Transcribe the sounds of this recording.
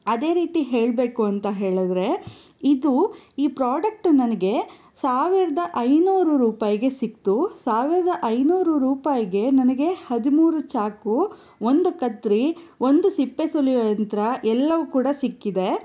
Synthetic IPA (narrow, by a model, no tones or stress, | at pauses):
ɐd̪e̞ːɾiːt̪iɦeːɭbe̞ːkuɐnt̪ɐɦeːɭud̪ɾe̞id̪uiːpɾaːɖɐk̚ʈunɐnɐɡe̞ | saːʋiɾɐd̪ɐʔɐjnuːɾuɾuːpaːjiɡe̞sik̚t̪usaːʋiɾɐd̪ɐʔɐjnuːɾuɾuːpaːjiɡe̞nɐnɐɡe̞hɐd̪imuːɾut͡ʃaːku | ond̪ukɐt̪ɾio̞nd̪usipːe̞sulijɐjɐnt̪ɾɐʔɛlːɐʋukuːɽɐsikːid̪e̞